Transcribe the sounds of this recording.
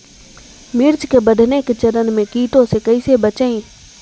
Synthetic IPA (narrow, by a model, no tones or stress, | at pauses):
mɪɾd͡ʒkeːbəɖʱneːkt͡ʃəɾənmẽːkiːʈosekəiːsebət͡ʃeĩː